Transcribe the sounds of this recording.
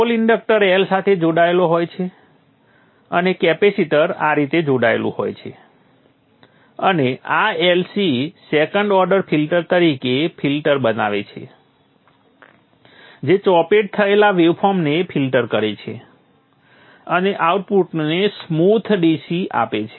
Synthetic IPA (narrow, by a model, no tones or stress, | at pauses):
oliɳɖək̚ʈəɾelsat̪ʰed͡ʒoɽaeloɦojt͡ʃʰe | ənekɛpesiʈəɾa̰ɾit̪ed͡ʒoɽaḛlṵ̃ho̰jt͡ʃʰḛ | əneaelsisekəɳɖɔɾɖəɾpʰilʈəɾt̪əɾikepʰilʈəɾbəna̰ʋḛt͡ʃʰḛ | d͡ʒet͡ʃɔpeʈ̚t̪ʰəelaʋeʋpʰɔɾmnepʰilʈəɾkəɾet͡ʃʰḛ | əneʔauʈ̚puʈnesmut̪ʰɖisia̰pet͡ʃʰe